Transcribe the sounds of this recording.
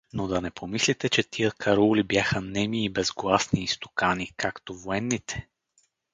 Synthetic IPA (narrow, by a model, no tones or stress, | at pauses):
nod̪ɐnɛpʰomislit̪ɛt͡ʃɛt̪iəkʰɐɾɔlibjaxənɛmiːbɛzɡlˠasniːst̪o̥kanikakt̪ovoɛnːit̪ʰɛ̥